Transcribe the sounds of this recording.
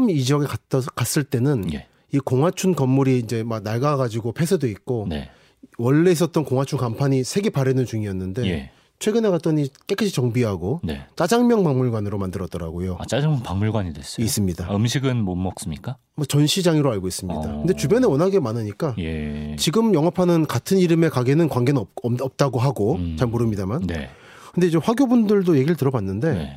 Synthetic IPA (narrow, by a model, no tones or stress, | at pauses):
mid͡ʑʌɡekakas͈ɯɭt͈e̞nɯnjḛ | ikoŋwat͡ɕʰunkʌmːuɾiːnd͡ʑe̞mak̚naɭɡaɡad͡ʑiɡopʰe̞sʰɯdoik̚k͈onḛ | wʌɭːe̞is̬͈ʌt̚t͈ʌnkoŋwat͡ɕʰunkampʰaɲisʰe̞ɡepaɾenɯnt͡ɕuŋiʌnːɯnde̞ḛ | t͡ɕʰwe̞ɡɯne̞kat͈ʌɲik͈ek͈ʰːɯɕʰit͡ɕʌŋbiɦaɡone̞̰t͡ɕ͈ad͡ʑaŋmjʌŋpaŋmuɭɡwanɯɾomandɯɾʌt͈ʌɾa̰ɡojoat͡ɕad͡ʑaŋmjʌŋpaŋmuɭɡwaɲidwes͈ʌis͈ɯmɲidaɯmɕʰiɡɯnmomːʌk̚s͈ɯmɲik͈a | mʌt͡ɕʌnɕʰid͡ʑaŋiɾoaɭɡois͈ɯmɲɲida̰kɯnde̞t͡ɕubjʌnewʌnɦaɡe̞manɯɲik͈ajet͡ɕiɡɯmjʌŋɦapʰanɯnkatʰɯniɾɯme̞kaɡenɯnkwaŋɡenʌp̚t͈aɡoɦaɡot͡ɕaɭmoɾɯmɲidamannḛ | kɯndeid͡ʑe̞ɸwaɡjobundɯɭdoje̞ɡiɾɭtɯɾʌbanːɯnde̞nḛ